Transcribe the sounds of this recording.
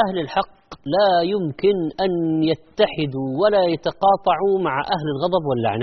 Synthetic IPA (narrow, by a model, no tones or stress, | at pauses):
ʔahlɪlħɑqː | lajʊmkɪnʔanjat̪ːaħɪd̪uwalajat̪ɑqɑːt̪ˤɑʕumaʕʔaɦlɪlɣɑd̪ˤɑbwɪlːʔa̰ʕn